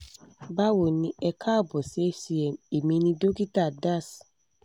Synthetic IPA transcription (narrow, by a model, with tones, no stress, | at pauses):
ba˦wo˨nĩ˦ɛ˨kʰa˦˨bɔ˨se˦si˨ɛ˨e˨mĩ˧nĩ˦do˦ki˦ta˨da˦˨s